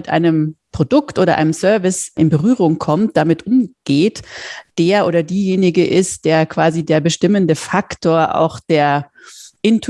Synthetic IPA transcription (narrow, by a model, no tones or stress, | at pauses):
ɪtʔa̰ɪnəmpʁ̥odʊktʔoːɾɐʔa̰ɪnəmsœɐvɪsʔɪnbəʁyːʁ̞ʊŋkʰɔmt̚d̥amɪtʔʊmɡ̥eːtd̥eːɐʔoːdɐdiːjeːnɪɡəʔɪstd̥eːɐkv̥aːzideːɐbəʃtɪməndəfaktʰoːɐʔa̰ʊxd̥eːɐ | ʔɪntʰ